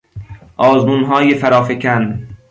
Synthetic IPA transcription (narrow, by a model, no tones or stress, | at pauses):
ʔɒːzmuːnɦɒːjefæɾɒːfecʰæn